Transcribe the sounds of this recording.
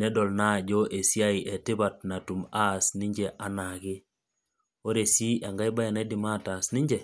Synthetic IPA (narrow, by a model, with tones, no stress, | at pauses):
nɛ˦dɔ˨lna˦˨d͡ʒɔ˦ʔe˨sja˦i˨ʔɛ˨tɪ˦ba˨t̚na˨tu˨ma˦sni˦ɲd͡ʒe˦ʔa˨na˨ɣɪ˦ | o˦ɾe˨si˦ʔa˨ŋɡa˦i˦ba˦ja˨na˦di˨ma˦ta˨sni˦ɲd͡ʒɛ˨